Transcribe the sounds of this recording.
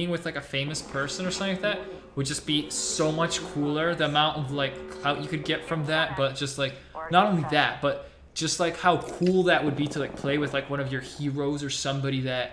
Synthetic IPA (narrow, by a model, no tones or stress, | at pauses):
ɪ̃ŋwɨðlaɪkɨfẽɪ̃mɨspʰɜ˞sɨ̃nə˞sʌ̃mθlaɪk̚ðæt̚ | wəd̚d͡ʒʌsb̥isoʊmʌt͡ʃkʰulˠə˞ðiəmãʊ̃ntʌvlaɪkhaʊjɨkɨd̚ɡɛtfɹʌ̃mðæt̚b̥ʌt̚d̥ʒ̥ʌst̚ˡlaɪk̚ | nəɾõʊ̃nliðæt̚b̥ʌt̚ | d̥ʒ̥ʌst̚ˡlaɪkhaʊkʰulˠðɨʔ̚wəd̚biɾəlaɪk̚pʰl̥eɪwɨðlaɪkwʌ̃ñʌvjə˞hiɹoʊzə˞sʌ̃mbɑɾiðɨt̚